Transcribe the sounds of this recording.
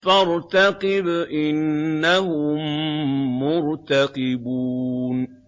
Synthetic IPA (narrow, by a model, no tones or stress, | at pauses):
faɾt̪aqɪbʔɪnːahʊmː | ʊɾt̪aqɪbuːn